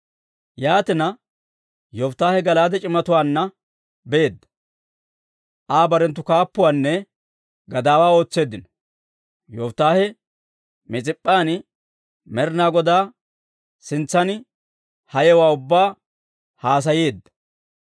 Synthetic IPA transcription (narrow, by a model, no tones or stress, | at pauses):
jaːt̪ɪnɐ | jɔft̪ːaːhɛɡɐlaːd̪ɛt͡ʃʼɪmɐt̪ʊwaːnːɐ | beːd̪ːɐ̥ | ʔaːbɐɾɛnt̪ːʊkaːpːʊwaːnːɛ | ɡɐd̪aːwaːo̞ːt͡sːe̞ːd̪ːɪnɔ̥ | jɔft̪ːaːhɛ | mɪt͡sʼɪpʼːaːn | mɛɾɪnaːɡɔd̪aː | sɪnt͡sːɐnɪ | hɐjɛwaːʊbːaː | haːs̬ɐjeːd̪ːɐ̥